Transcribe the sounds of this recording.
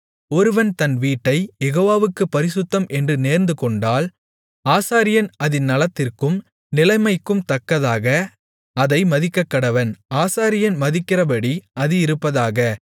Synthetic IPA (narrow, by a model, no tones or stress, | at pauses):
ɔɾɯʋɐnt̪ɐnʋiːʈːɐɪjɛɣoːʋaːʋɯkːɯpːɐɾɪsɯt̪ːɐmʔɛndrɯneːɾnd̪ɯkɔɳɖaːl | aːsaːɾɪjɐnɐðɪnːɐlɐt̪ːɪrkɯm | nɪlɐɪmɐɪkːɯmt̪ɐkːɐðaːɣɐ | ɐðɐɪmɐðɪkːɐkːɐɽɐʋɐnaːsaːɾɪjɐnmɐðɪkːɪrɐbɐɽiɐðɯɪɾɯpːɐðaːɣɐ